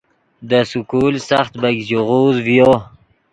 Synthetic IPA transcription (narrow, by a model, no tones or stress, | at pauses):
d̪əsʊkulsaxt̪baɡzoʁuzvjo